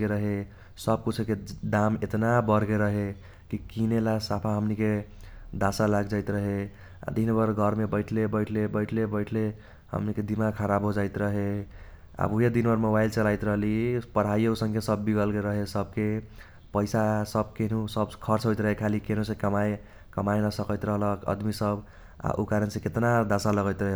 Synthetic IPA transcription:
eɾəɦe | səb̚kut͡ʃʰked̪amet̪nabəɾɡeɾəɦe | kikinelasapʰaɦəmnike | d̪asalaɡd͡ʒajt̪ɾəɦe | a̰d̪ʱinbəɾɡʱəɾmebəɪʈʰlebəɪʈʰlebəjʈʰlebəɪʈʰle | hə̰mniked̪imakʰəɾabɦod͡ʒaɪt̪ɾəɦe | a̰buɦjed̪inbʌɾmobajlt͡ʃəlajt̪ɾəɦlipəɽ̤ajeusə̃ŋkesəbːiɡəlkeɾəɦesəb̚ke | pəjsasəb̚kenusəbkʰʌɾt͡ʃɦojt̪ɾəɦekʰalikenosẽkəmaj | kəmajnəsəkət̪ɾəɦləkə̰d̪misəb | a̰ʔṵkaɾənsẽket̪nad̪asaləɡəjt̪ɾəɦe

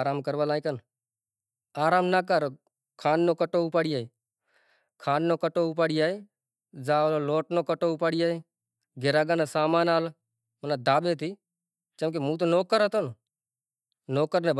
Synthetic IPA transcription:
ɾaːmkəɾʋaːlaːikən | aːɾaːmnaːkəɾ | kʰaːnːoːkəʈoːʊpaːɽijaːeː | kʰaːnːoːkəʈoːʊp̬aːɽijaːe | zaːloːloːʈnoːkəʈoːʊpaːɽijaːeː | ɡʱeɾaːɡaːneːsaːmaːnaːl | mənaːd̪ʱaːbeːt̪iː | t͡ʃəmk̬emũːt̪̬oːnoːkəɾɦət̪on | noːkəɾneːb

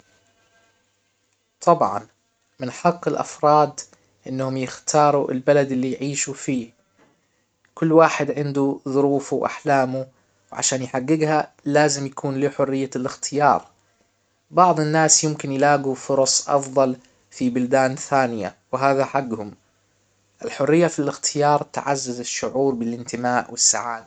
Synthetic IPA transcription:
t̪ˤʰɑbʕɑ̰n | mɪnħɑqːɪlʔa̰fɾˤɑːd̪ | ʔɪnːhʊmjɪxt̪ʰɑːɾˤuʔɪ̰lbalad̪ɪlːijʕiːʃufiː | kʊlːwaːħɪd̪ʕɪnd̪uðʊɾuːfuwʔa̰ħlaːmu | wʕa̰ʃaːnjħaɡːɪɡha | laːzɪmjakʰuːnliːħʊrːɪjːalɪxt̪ʰɪjɑ̰ːɾˤ | bɑʕd̪ˤɪnːaːsjɪmkɪnjlaːɡufʊɾˤɑsˤʔɑ̰fðˤɑl | fibʊld̪aːnθaːnɪja̰wɪɦaːðaħaɡːhʊm | ʔɪlħʊrːɪjːafilɪxt̪ʰɪjɑːɾˤt̪ʕazːazɪʃːʊʕuːɾbɪlʔɪnt̪ɪmaːʔwɪsːa̰ʕaːd̪a

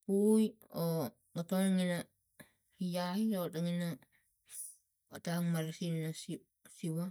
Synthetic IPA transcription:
puujo | ɡatonaŋina | ijahiotaŋina | ataŋmaɾesininasi | siwa

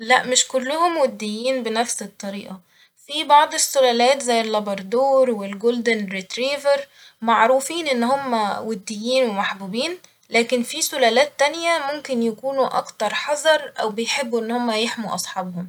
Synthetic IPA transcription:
læ̰ʔmɪʃkolːʊhomwed̪ːejːiːnbenæfset̪ˤːɑɾḭːʔɑ | fibɑʕd̪ˤesːʊlæːlæːt̪zæjːelːɑbɑɾˤd̪uːɾwelɡold̪enɾit̪ɾiːveɾ | maʕɾuːfiːnʔenːhomːæwed̪ːejːiːnwemaħbuːbiːn | læːkenfisʊlæːlæːt̪ːænjæmomkɪnjækuːnuʔɑ̰kt̪ɑɾˤħɑzˤɑɾˤʔæwbejħebːuʔenːhomːæjeħmuʔɑ̰sˤħɑːbhom

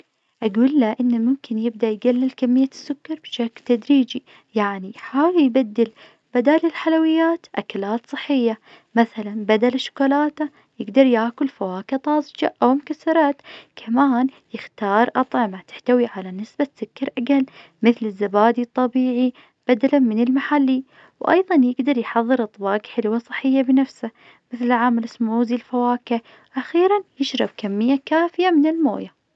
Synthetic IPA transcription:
ʔaɡuːlːaʔɪnːamʊmkɪnjɪb̚d̪aʔjɡalːɪlkamːɪjːasːʊkːɑɾˤb̥ʃaklt̪ad̪ɾiːd͡ʒi | jaʕniħaːwljbad̪ːɪl | b̥ad̪aːlɪlħalawɪjːaːt̪ʔakalaːt̪sˤɨħːɪjːa | maθalanbad̪alʃʊ̥kalaːt̪a | jɪɡd̪ɑɾˤjaːkʊlfawaːkat̪ˤɑːsˤd͡ʒa̰ʔawmʊkaθːɑɾˤɑːt̪kʰamaːn | jɪxt̪ɑːɾˤʔɑt̪ˤʕɪmat̪ɪ̥ħt̪awiʕalanɪsbasʊkːɑɾʔaɡal | mɪθlɪzːabaːd̪it̪ˤːɑbiːʕi | b̥ad̪alamɪnɪlmaħalːi | wʔɑ̰jðˤɑnjɪɡd̪ɑɾˤjħɑðˤːɨɾʔɑt̪ˤbɑːqħɪlwasˤɨħːɪjːabɪnafsa | mɪθlɪʕaːmalɪsmuːzilfawaːka | ʔaxiːɾanjɪʃɾˤɑb̚kamːɪjːakaːfɪjamɪnɪlmo̰ːja

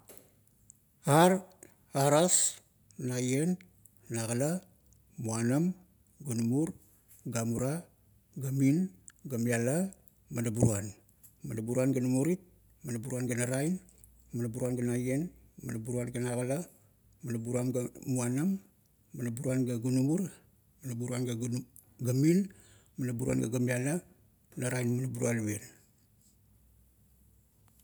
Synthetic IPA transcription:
aɾ | aɾas | najen | naɡala | muanam | ɡunumuɾ | ɡamuɾa | ɡaminɡamiala | madabuɾuan | madabuɾuanɡanamuɾit̚ | manabuɾuanɡanaɾajn | manabuɾuanɡanajen | madabuɾuanɡanaɡala | manabuɾuamɡamuanamː | anabuɾuanɡaɡunumuɾ | manabuɾuanɡa | ɡamin | manabuɾua̰nɡa̰ɡamiala | mnaɾajnmanabuɾuanwen

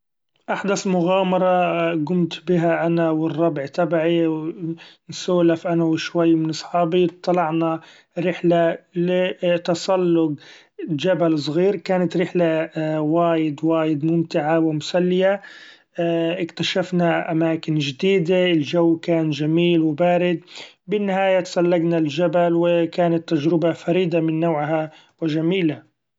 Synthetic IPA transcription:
ʔaħd̪asmʊɣaːmɑɾˤɑɡʊmt̪bɪɦaʔanawɪrˤːɑbʕt̪abʕiwnsuːlafʔanawɪʃwajːmɪnʔɨsˤħɑːbit̪ˤːɑlɑʕna | ɾɪħlalɪt̪ɑsˤɑlːʊɡ | d͡ʒabalsˤɣiːɾkaːnat̪ɾɪħlawaːjɪd̪waːjɪd̪mʊmt̪ɪʕawɪmʊsalːɪja | ʔɪkt̪aʃafnaʔamaːkɪnd͡ʒɪd̪iːd̪aɪld͡ʒawːkaːnʒamiːlwɪbaːɾɪd̪̚ | bɪnːɪhaːjat̪ɑ̥sˤɑlːaɡnald͡ʒabalwɪkaːnat̪ːad͡ʒɾɪbafaɾiːd̪amɪnːaːʕɦa | wɪʒamiːla

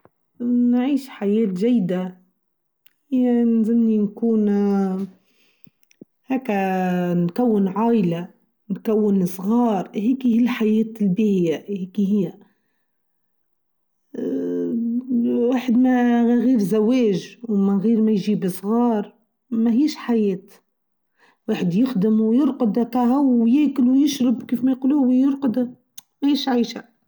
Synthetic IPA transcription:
nʕiːʃħajeːt̪ʒajːd̪a | hhɪjːnzɪmːinkuːn | heːkankawːɪnʕaːʔla | nkawːɪnsˤɣɑːɾˤheːkihilħajeːt̪lbiːhɪjaheːkiɦɪjːa | waːħɪd̪maɣɣiːɾzaweːʒwmanɣiːɾmajʒiːbɪsˤɣɑːɾˤ | mahiːʃħajeːt̪ | weːħɪd̪jɪxd̪ɪmwjɪɾqʊd̪akaɦawjeːkɪlwjɪʃɾɪbkiːfmajquːluːhijɪɾqʊd̪a | wiːʃʕiːʃa̰

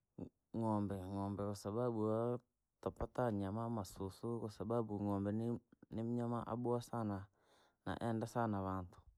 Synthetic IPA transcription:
ŋɔːmbɛŋɔːmbɛkasababua | tapataɲamamasusukosababuŋɔːmbɛnnimɲama̰ʔa̰buasana | na̰ʔɛndasanaβaːntu̥

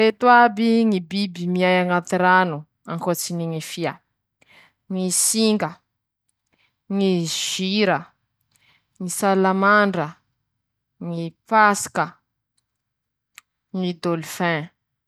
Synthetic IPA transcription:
et̪wabiŋibibimiajaŋat̪iɾanu | aŋkot͡siniŋifia | ŋisiŋɡə | ŋiʒ̥iɾə | ŋisalamaɳɖ͡ʐə | ŋipaskə | ŋid̪olufɛ̃

